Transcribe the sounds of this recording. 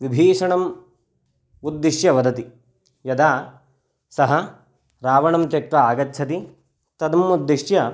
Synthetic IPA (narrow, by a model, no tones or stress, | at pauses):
ʋibʱiːʂɐɳɐm | ud̪ːiʂjɐʋɐd̪ɐt̪i | jɐd̪aː | sɐɦɐ | ɾaːʋɐɳɐmt̪jɐkʈɾɐaːɡɐtːt͡ʃʰɐt̪i | t̪ɐd̪ɐmud̪ːiʂjɐ